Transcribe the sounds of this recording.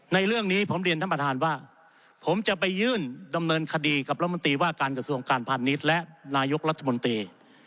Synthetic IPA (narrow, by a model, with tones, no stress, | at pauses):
na˧jɾɯ˥˩əŋniː˦˥pʰo˩˦mɾi˧əna˦˥pa˧t̪ʰaː˧nwaː˥˩ | pʰo˩˦mt͡ɕa˨˩ʔpa˧jːɯː˥˩nda˧mnɤː˧nkʰa˧diː˧ka˨˩p̚ɾ̚ʰmo˧nt̪iː˧waː˥˩kaː˧nkɾa˧su˧əŋkaː˧npʰaː˧ni˦˥t̪̚lɛ˦˥ʔnaː˧jo˦˥k̚ɾa˦˥t̪ʰːa˧mo˧nt̪ɾiː˧